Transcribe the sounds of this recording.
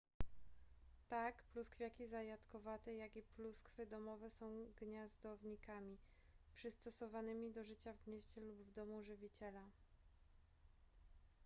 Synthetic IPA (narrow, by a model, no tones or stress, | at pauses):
t̪akpluskfʲjakʲizajat̪kɔvat̪ɛjakipluskfɘd̪ɔmɔvɛsɔ̃w̃ɡɲazd̪ɔvɲikamʲi | pʂɘst̪ɔsɔvanɘmʲid̪ɔʐɘt͡ɕavɡɲɛɕt͡ɕɛlubvd̪ɔmuʐɘvʲit͡ɕɛla